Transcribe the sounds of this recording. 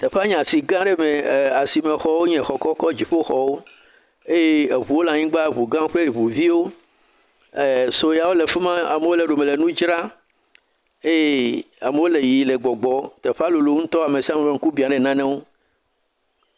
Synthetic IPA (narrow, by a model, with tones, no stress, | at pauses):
t̪ɛ˨ɸe˦a˦ɲ̃˨a˨si˨ɡã˦ɖe˦mẽ˨a˨si˨mẽ˨xɔ˦wo˦ɲɛ̃˨xɔ˨kɔ˦kɔ˦d͡ʑi˨ɸo˦xɔ˨wo˦ | e˦je˦e˨βu˨wo˦la˨ɲĩ˦ɡ͡ba˦˨βu˨ɡã˦ɸle˦ɾi˨βu˨vi˦wo˦˨ | so˦ja˨wo˦le˨fe˦mã˦a̰˨me˨˦wo˦le˨ɖo˨mẽ˨le˨nũ˦d͡ʒɾa˦ | e˦je˦ | a̰˨me˨wo˦le˨ji˨le˨ɡ͡bɔ˨ɡ͡bɔ˨t̪e˨ɸe˦a˦lu˨lu˨˦ŋ̩̃˦t̪ɔ˦a˨me˨si˦a˦mẽ˨e˦ŋ̩˦ku˦bi˨ã˨ɖe˨nã˦nẽ˦wo˦